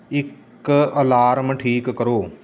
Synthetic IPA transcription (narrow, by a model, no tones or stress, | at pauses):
ɪk | əlaːɾməʈʰiːkːəɾoː